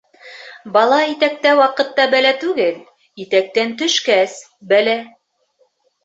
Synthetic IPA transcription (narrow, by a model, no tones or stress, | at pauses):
bɑlˠɑit̪æk̚t̪æwɑqɤ̆t̪ːɑbælæt̪ʉɡɘl | it̪æk̚t̪ænt̪ɵ̆ʃkæs | bælæ